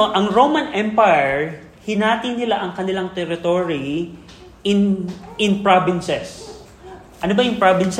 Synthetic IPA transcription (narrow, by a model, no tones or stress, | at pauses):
ʔɐŋɹowmɐnʔɛmpajɛɹ | hɪnaːt̪ɪnːɪlaʔɐŋkɐnɪlaŋt̪ɛɾɪt̪oɾi | ʔɪnɪnpɹabɪnsɛs | ʔɐnobɐjʊŋpɹabɪns